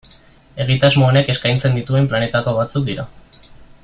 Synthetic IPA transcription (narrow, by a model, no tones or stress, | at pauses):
e̞ɣ̞it̪azmo̞ːne̞ke̞skajnt͡se̞nd̪it̪ue̞mplane̞t̪ako̞β̞at͡suk̚d̪iɾa